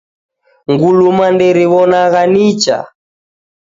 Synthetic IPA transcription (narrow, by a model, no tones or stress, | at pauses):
ŋɡulumandɛɾiβɔnaɣanit͡ʃa̰